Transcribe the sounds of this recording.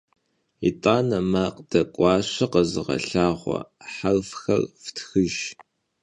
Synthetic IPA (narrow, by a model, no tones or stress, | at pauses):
ḭtʼaːnɐmaːqd̥ɐkʷʼɑːɕɐqəzɨʁɐ̰ɬaːʁʷɔ̰ħarfxɐ̰rftʰxɨʒ